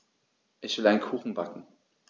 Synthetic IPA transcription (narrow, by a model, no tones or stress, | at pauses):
ʔɪçv̥ɪlaɪnkʰuːxn̩bakŋ̩